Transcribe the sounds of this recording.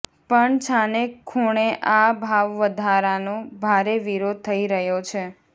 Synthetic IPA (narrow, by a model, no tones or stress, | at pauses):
pəɳt͡ʃʰanekʰuɳ̃eʔabʱaʋːəd̪ʱaɾanõbʱaɾeʋiɾod̪̚t̪ʰəiɾəɦjot͡ʃʰe